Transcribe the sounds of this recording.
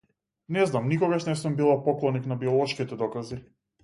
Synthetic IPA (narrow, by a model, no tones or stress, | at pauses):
nɛznamnikɔɡaʃnɛsumbilˠapɔklˠɔniknabiɔlˠɔʃkit̪ɛd̪ɔkazi